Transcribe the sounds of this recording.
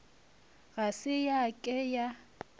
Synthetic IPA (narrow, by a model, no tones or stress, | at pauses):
ɣasɪjakʼɛja